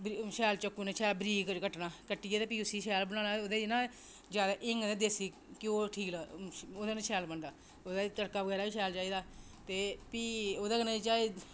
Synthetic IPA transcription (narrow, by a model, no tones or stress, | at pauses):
bʃɛːlt͡ʃəkːunãːt͡ʃʰɛːlbɾiːkkəʈnaːkəʈːieːt̪eːpiːʊsiːʃɛːlbənaːnaːoːd̪eːɪnãː | d͡ʒjaːd̪aːʔɪŋɡ̪ẽd̪eːsiː | kɪoːʈʰiːklaːoːd̪aːnãːt͡ʃʰɛːlbənd̪aː | oːd̪at̪əɽkaːbəɡɛːɾaːbiːʃɛːlt͡ʃaːiːd̪aː | t̪eːpiːoːd̪aːnãːit͡ʃaːeː